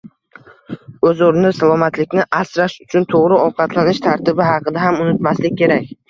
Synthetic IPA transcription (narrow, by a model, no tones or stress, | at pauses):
ɵzoɾnɪsalˠɒmat̪lɪkʲnɪʔasɾaʃʊt͡ʃʰʊnt̪ʰoʁɾɪɒwqʰɑt̪ʰlanɪʃt̪ʰaɾt̪ʰɪbɪɦɑqʰɨd̪aɦamʊnɪt̪maslɪkʲʰːe̞ɾakʲ